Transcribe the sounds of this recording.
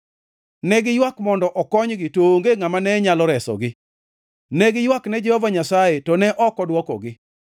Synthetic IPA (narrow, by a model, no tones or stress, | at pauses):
nɛɡɪjwakmɔndɔʔɔkɔɲɡɪtoŋɡeŋamanɛɲalɔɾɛsɔ̰ɡɪ | nɛɡɪjwaknɛd͡ʒɛhɔvaɲasajetɔnɛʔɔkɔdwɔkɔ̰ɡɪ